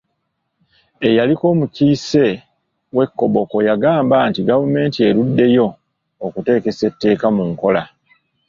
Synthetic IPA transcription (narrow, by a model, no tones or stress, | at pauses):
e̞jaliko̞ːmuciːse̞ | we̞kːo̞βo̞ko̞jaɡaːmbaːntiɡavume̞ːntie̞ɾudːe̞jo̞ː | kute̞ːke̞se̞tːe̞ːkamuŋko̞la